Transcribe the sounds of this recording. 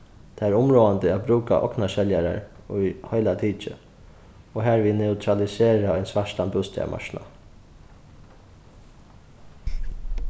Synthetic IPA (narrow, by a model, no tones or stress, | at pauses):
t̪ʰaæɾʊmɾoːant̪əat̪̚bɾuːka̰ʔɔ̰knaʃɛljaɾa̰ɹ | ujhœʏlat̪ʰiːt͡ʃə̰ | ɔɦæːɹʋiːnɛʊt̪ʰɾalɪseːɾaɔɪnsʋaʂt̪anbust̪ɛ̰a̰ma̰ʃna̰